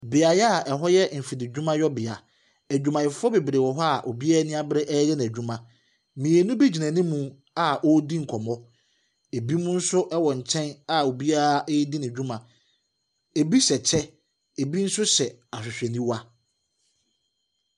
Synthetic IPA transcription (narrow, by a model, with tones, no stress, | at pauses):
bɪ˨a˨jɛ˦a˦˨ɛ˨ɦɔ˦jɛ˦m̩˨fi˨dɪ˨d͡ʑᶣũ˦mã˦jɔ˦bɪ˨a˨ | æ˨d͡ʑᶣũ˦mã˨ɪ˨fɔ˦be˨bɾe˨wɔ˨ɦɔ˦a˨ʔo˨bi˦a˦nĩ˦a˦bɾɛ˦ʔɛ˦jɛ˦ñ˨æ˨d͡ʑᶣũ˦mã˨ | mĩ˨e˨nũ˦bi˦d͡ʑi˨nã˨nĩ˦mũ˨ | a˨ʔɔ˦dĩ˦ŋ̩˨kʰɔ˨mɔ̃˦ | e˨bi˦mũ˦n̩˦sʊ˦ʔɛ˦wɔ˨ɲ̩˨t͡ɕʰɛ̃˦na˦˨o˨bi˦a˦a˦ʔdĩ˦nɪ̃˨d͡ʑᶣũ˦mã˨ | e˨bi˦sɛ˨t͡ɕʰɛ˦ | e˨bi˦n̩˦sʊ˦ɕɛ˨a˨sʊ˨sᶣɛ˨nĩ˦wa˦